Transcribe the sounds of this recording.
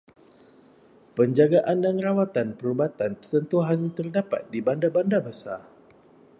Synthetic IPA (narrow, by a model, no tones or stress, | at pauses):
pəɲd͡ʒaɡaʔandanrawat̪anpəɾubat̪anpət̪ənt̪uɦant̪ərdapa̰t̪̚dibandabandabasa